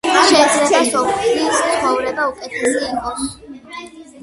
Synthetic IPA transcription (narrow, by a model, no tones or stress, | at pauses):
ʃɛːd̪zlɛasɔissχɔvɾɛbaukʼɛt̪ʰɛsiːmɔ